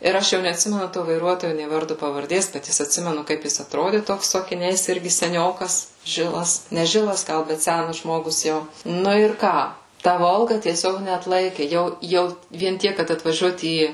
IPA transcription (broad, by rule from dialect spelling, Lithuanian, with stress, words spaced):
ɪr ˈɐʃ jɛʊ nʲɛɐtʲˈsʲɪmʲɛnʊ toː ʋɐɪˈruɔtoːjʊ nʲeː ˈʋɐrdʊ pɐʋɐrʲˈdʲeːs bʲɛt ˈjɪs ɐtʲˈsʲɪmʲɛnʊ ˈkɐɪp jɪs ɐtˈroːdʲɪ ˈtoːks sʊ ɐkʲɪˈnʲɛɪs ˈɪrʲɡʲɪ sʲɛˈnʲoːkɐs ˈʒʲɪlˠɐs nʲɛ ˈʒʲɪlˠɐs ˈɡɐlˠ ˈbʲɛt ˈsʲænɐs ˈʒmoːɡʊs ˈjɛʊ ˈnʊ ɪr ˈkɑː ˈtɐ ˈʋoːlˠɡɐ tʲiɛˈsʲoːk nʲɛɐtˈlˠɐɪkʲɪ ˈjɛʊ ˈjɛʊ ʋʲiɛn ˈtʲiɛk kɐt ɐtʋɐˈʒʲuɔt ˈiː